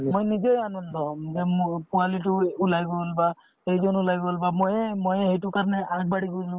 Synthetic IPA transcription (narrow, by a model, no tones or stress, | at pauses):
mojnizejanɔndɔmzɛpʊalitʊulajbɔlba | ejzɔnulajbɔlbamojmojɦejtʊkaɹnɛʔaɡ̚baɽiɡolʊ̃